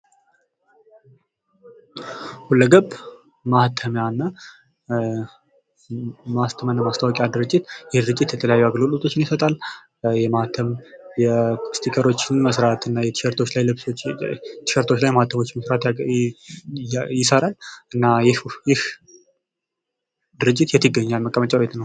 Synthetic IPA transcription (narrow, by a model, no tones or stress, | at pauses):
hulːəɡəb | maht̪ʰəmjanːa | mast̪ʰəmənːəmast̪ʰawɔkʼijad̪ɨɾɨt͡ʃʼːɪt̪jɛd̪ɨɾɨt͡ʃʼːɪt̪jɛt̪ʰələjajːuaɡlolʼot̪ʰo̞t͡ʃːɪnjɪsət̪ʼal | jɛmaht̪ʰəmjɛst̪ʰikʼəɾo̞t͡ʃːɪnməsɾat̪ɨnːajɛəɾt̪ʰo̞t͡ʃːlajlɨβsot̪ʰɪ̥ʃəɾt̪ʰo̞t͡ʃːlajmaht̪ʰəmo̞t͡ʃːməsɾat̪ | jɪsəɾalʔɨnːajhjɪh | d̪ɨɾɨt͡ʃʼːɪt̪jɛt̪ʰːɨɡːəɲːalməkʼːəmət͡ʃʼawjɛt̪nəw